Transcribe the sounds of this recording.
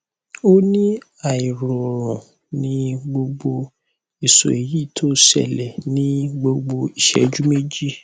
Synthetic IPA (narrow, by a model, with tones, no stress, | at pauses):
o˦nĩ˦ | a˨i˨ɾɔ˨ɾɔ̃˨ | nĩ˧˦ɡ͡bo˧ɡ͡bo˧ | i˨so̰˨e˨ji˦˨tʰo˦˨sɛ̰˨lɛ˨nĩ˨˦ɡ͡bo˧ɡ͡bo˧i˨ʃɛ̰˨d͡ʒu˦me˦d͡ʒi˦